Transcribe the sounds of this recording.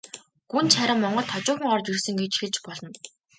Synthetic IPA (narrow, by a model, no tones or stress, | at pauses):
ɡ̥unt̪t͡ɕʰaɾə̆mːɔɴɢɞ̆ɮt̪ʰːɔt͡ɕʊːχə̆ŋɔrt͡ɕirsɵ̆ŋɡet͡ɕxeɮt͡ɕpɔɮɞ̆n